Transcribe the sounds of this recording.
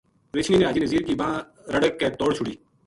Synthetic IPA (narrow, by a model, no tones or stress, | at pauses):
ɾɪt͡ʃʰniːneaːd͡ʒiːnəziːɾkibɐɦã | ɾəɽəkːet̪oːɽt͡ʃʰʊɽiː